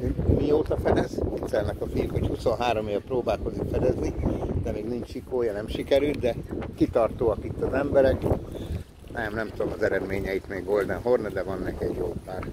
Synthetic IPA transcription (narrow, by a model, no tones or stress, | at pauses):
mioːt̪ɒfɛd̪ɛzit̪sɛlnɛkɒfilhochuso̞nɦaːɾo̞meːvɛproːbaːlkozikfɛd̪ɛznid̪ɛmeːɡnint͡ʃʃikoːjɒnɛmʃikɛɾyld̪ɛkit̪ɒrt̪oːɒkit̪ːɒzɛmbɛɾɛk | nʔɛmnɛmt̪ud̪omɒzɛɾɛd̪meːɲɛit̪meːɡo̞ld̪ɛnɦornɛd̪ɛvɒnːɛkɛɟjoːpaːr